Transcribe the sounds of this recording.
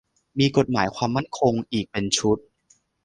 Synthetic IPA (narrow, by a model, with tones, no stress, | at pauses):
miː˧ko˨˩t̪̚maː˩˦jkʰwaː˧mːa˥˩nkʰo˧ŋʔiː˨˩k̚pe˧nt͡ɕʰu˦˥t̪̚